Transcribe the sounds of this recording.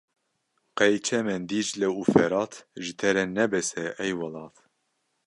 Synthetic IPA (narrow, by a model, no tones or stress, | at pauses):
qɛjt͡ʃʰɛmɛnd̪iːd͡ʒlɛuːfɛɾɑːt̪ʰʒɨt̪ʰɛɾɛnɛbɛsɛʔɛjwɑlɑːt̪